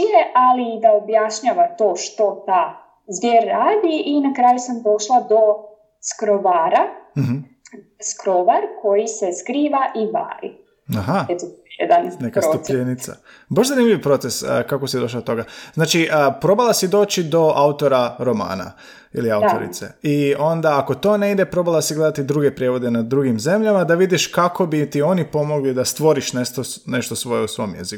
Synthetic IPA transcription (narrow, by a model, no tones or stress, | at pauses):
ijeʔaliːd̪aobjaʃɲaʋat̪o̞ːʃt̪o̞t̪aː | zʋjeːɾːaːd̪iʔinakɾaːjusamd̪o̞ʃlˠad̪o̞ | skɾoʋaːɾaɦ | skɾo̞ʋaɾkʰo̞jise̞skɾiːʋaʔiba̰ːɾḭ | aɦaet̪ojḛd̪annekaɾoup̪enit̪sa̰ | baʃzanimʎʲiʋpɾo̞t̪seskako̞sid̪o̞ʃ̬lad̪ot̪o̞ɡaznaːt͡ʃiʔəpɾo̞balˠasid̪o̞ːt͡ʃid̪o̞ʔaut̪o̞ɾaɾo̞ma̰ːna̰ | ḭliawt̪o̰ɾḭt̪se̞̰io̞nd̪aːko̞t̪o̞ːne̞id̪e̞pɾo̞balˠasiɡle̞d̪at̪id̪ɾuɡe̞pɾje̞ʋo̞d̪e̞nad̪ɾuɡimze̞mʎamad̪aʋid̪iʃkako̞bit̪io̞nipo̞mo̞ɡlid̪ast̪ʋo̞ɾiʃneʃt̪one̞ʃt̪osʋo̞jeusʋo̞mjḛziku